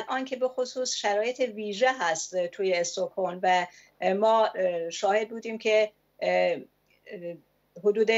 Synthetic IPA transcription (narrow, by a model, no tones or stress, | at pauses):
lʔɒːnkʰe̞be̞xosuːsʃæɾɒːje̞t̪ʰeviːʒeɦæst̪t̪ʰuːjeːst̪okʰonvæ | mɒːʃɒːhe̞d̪̚buːd̪iːmcʰe | hod̪uːd̪e